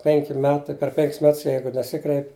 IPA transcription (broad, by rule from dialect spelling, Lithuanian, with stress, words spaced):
ˈpʲɛŋʲkʲɪ ˈmʲæːtɐɪ pʲɛr ˈpʲɛŋʲkʲɪs ˈmʲɛts ˈjɛɪɡʊ nʲɛˈsʲɪkrʲɛɪpʲɪ